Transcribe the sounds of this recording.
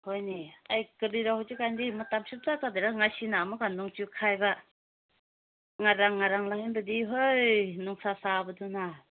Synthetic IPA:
hojniajkɯɾiɾahɔt͡ʃikandimɯtamsup̚tatad̪eɾaŋajsinamɯkanuŋt͡ʃukʰajba | ŋaɾaŋːaɾaŋlahinbɯdiɦojnuŋsasabɯduna

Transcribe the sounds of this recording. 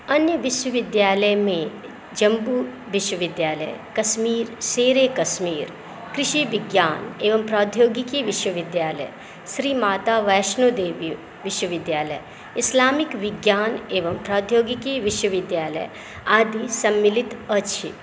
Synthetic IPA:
ɐnjəʋɪʃwəʋɪd̪jaːləjmẽ | d͡ʒɐmbu | ʋɪʃwəʋɪd̪jaːlə̰j̰kɐsmiːɾseːɾeːkɐsmiːɾ | kɾɪʃiʋɪɡjaːneːʋɐmpɾaːd̪ʱjoːɡikiʋɪʃwəʋɪd̪jaːlə̰j | sɾiːmaːt̪aːʋɐjʃnud̪eːʋi | ʋɪʃwəʋɪd̪jaːlə̰j | ɪslaːmikʋɪɡjaːneːʋɐmpɾaːd̪ʱjoːɡikiʋɪʃwəʋɪd̪jaːlə̰j | aːd̪ʱisɐmːilit̪ɐt͡ʃʰi

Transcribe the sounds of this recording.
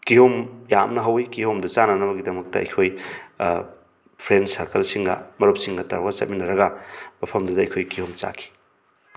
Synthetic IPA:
kihomjamnɐɦɐwikihomdɐt͡ʃanɐnɐbɐɡidɐmɐk̚tɐ̰ɐ̰jkʰoj | pʰɾensɐɾkɐlsiŋɡɐ̰mɐɾop̚siŋɡɐtɐɾwɐsɐ̰t̚minɐɾɐɡɐbɐpʰɐmdɐdɐɐjkʰojkihomt͡ʃa̰kʰi̥

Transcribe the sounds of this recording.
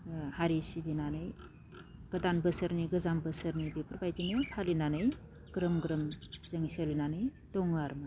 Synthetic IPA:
haɾisibinanɯj | ɡ̥ɐdanbəsəɾniɡɯzambəsəɾnibipʰuɾbajzinipʰalinanɯj | ɡ̥ɾɯmɡɾɯmzɐŋisalinanɯj | dɔŋaɾma

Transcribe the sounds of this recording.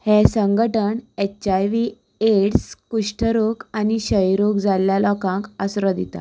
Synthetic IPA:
hɛsəŋɡəʈəɳet͡ɕajʋi | eɽskuʂʈʰəɾokaniɕəjɾokd͡zaljalɔkãkəsɾɔd̪it̪a̰

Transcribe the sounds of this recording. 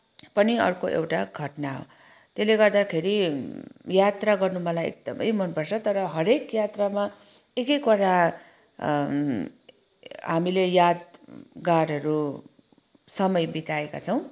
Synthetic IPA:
pʌniʌ̰rkoʔḛwʈaɡʱʌʈnaɦo̰ | t̪eleɡʌrd̪akʰeɾi | jat̪raɡʌrnumʌlajḛk̚d̪ʌmʌ̰jmʌnpʌrt͡sʰʌt̪ʌɾʌɦʌɾekjat̪rama | ekʌjkoɾa | ɦamilejad̪ɡaɾʌɾu | sʌmʌjbit̪aeka̰t͡sʰʌw̃

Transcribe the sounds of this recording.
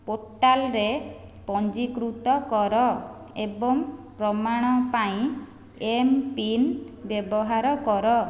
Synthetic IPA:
poʈalɾe | pɔɲd͡ʒikɾut̪ɔkɔɾɔ | ebɔŋpɾɔmaɽ̃ɔpaĩ | empinbjɔbɔɦaɾɔkɔɾɔ

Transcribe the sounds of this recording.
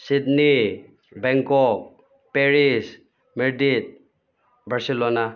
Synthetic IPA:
sid̪ni | bɛŋkɔk̚ | peɾis | miɾd̪it̪̚ | baɾsilona

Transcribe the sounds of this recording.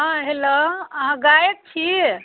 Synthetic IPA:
ãɦeləəɦãɡajək̚t͡ʃʰi

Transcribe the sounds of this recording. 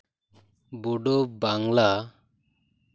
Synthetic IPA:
buɖɔbaŋla

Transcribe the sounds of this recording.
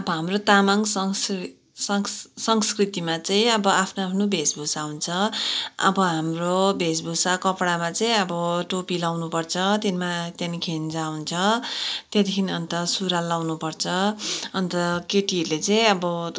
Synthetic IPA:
ʌbʌɦamrot̪amansʌŋs | sʌsʌŋskrit̪imat͡sʌĩʌbʌapʰnoapʰnobʱesbʱusaɦunt͡sʰʌʌ̰bʌɦamrobʱes̬bʱusakʌpɽamat͡sʌĩʌbʌʈopilawnupʌrt͡sʰʌt̪jenmat̪jenikʰend͡zaɦunt͡sʰʌt̪jet̪ikʰiniʌnt̪ʌsuɾalawnupʌrt͡sʰʌʌnt̪ʌkeʈiʌrlet͡sʌĩʌbʌ

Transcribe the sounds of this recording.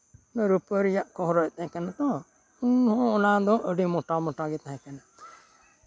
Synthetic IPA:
nəɾupəɾijaʔkɔɦɾɔʔt̪ɛ̃kanat̪ɔ̃ | unhɔ̃ːnad̪ɔ̃ʔəɖimɔʈamɔʈaɡɛt̪aɦɛ̃kana

